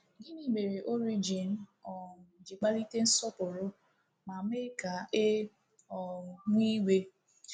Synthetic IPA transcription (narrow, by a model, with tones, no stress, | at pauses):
ɡɪ˦ni˦me˨ɾe˨ʔo˦ɾi˦d͡ʒi˨n˦ɔ˨n˨d͡ʒi˨k͡pa˦li˦te˦n̩˦sɔ˦pʊ˨ɾʊ˦ | ma˨me˦ɾi˦ka˨e˦ | ɔ˨ŋʷi˦we˦